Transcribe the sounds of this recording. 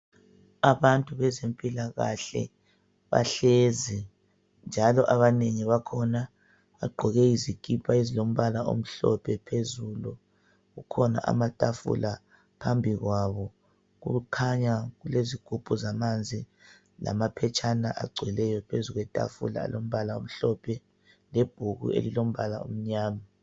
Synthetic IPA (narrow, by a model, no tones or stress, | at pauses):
aβantʼuβɛzempʼilaɣaɬɛ̰ | βa̰ɬezi | nd͡ʒʱalɔʔaβaneŋiβakʰɔna | βaɡ͡ǃʱɔɣɛizikʰʼipʰaizilom̩βalaʔo̰m̩ɬɔ̰pʰɛpʰezulu | ɣukʰɔna̰ʔa̰matʼafṵla | pʰambʱiɣwaβɔ | ɣṵɣukʰaɲaɣuleziɡ̥ʱupʰʼuzamand͡zʱi | la̰mapʰɛt͡ʃʼʰanaʔa̰ɡ͡ǀʱwɛlɛjɔpʰezuɣwɛtʼa̰fṵla̰ːlom̩βalao̰m̩ɬɔpʰɛ | leb̥ʱuɣṵḛlilom̩βala̰o̰m̩ɲaːma